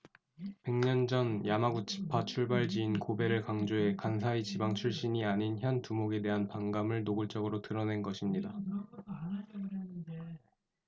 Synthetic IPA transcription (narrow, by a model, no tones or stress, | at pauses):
pe̞ŋɲʌnd͡ʑʌnjamaɡut͡ɕʰi̥pʰat͡ɕʰuɭbaɭd͡ʑiːnkobe̞ɾɯɭkaŋd͡ʑoe̞kansʰait͡ɕibaŋt͡ɕʰuɭɕ͈iɲiaɲinçjʌntumoɡe̞de̞ɦanpaŋɡamɯɭnoɡɯɭt͡ɕ͈ʌɡɯɾotɯɾʌne̞nɡʌɕʰimɲida